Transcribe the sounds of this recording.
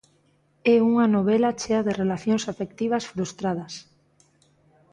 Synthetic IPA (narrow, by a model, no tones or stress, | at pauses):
ɛuŋɐnoβ̞ɛlat͡ʃeaðɪrelaθjoŋsafek̚t̪iβ̞ɐsfɾust̪ɾaðɐs